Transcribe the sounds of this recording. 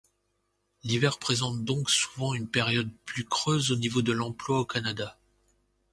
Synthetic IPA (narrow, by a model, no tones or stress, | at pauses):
livɛʁpχezɑ̃t̪̚d̪ɔ̃ksu̥vɑ̃ynpeʁjɔd̪̚plykχøzonivod̪əlɑ̃plwaokanad̪a